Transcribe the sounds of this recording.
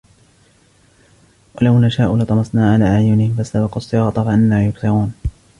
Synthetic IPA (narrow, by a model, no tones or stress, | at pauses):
walawnaʃaːʔʊlɑt̪ˤɑmɑsˤnaːʕalaːʕajʊnɪhɪmfasabɑqusˤːɨɣɑːt̪ˤɑfaʔɪnːaːjʊkt̪ɑɾuːn